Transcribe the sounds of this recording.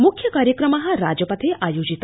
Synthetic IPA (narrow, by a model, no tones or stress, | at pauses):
mukʰjɐkaːɾjəkɾəmɐɦɐɾad͡ʒəpɐt̪ʰeʔajod͡ʒit̪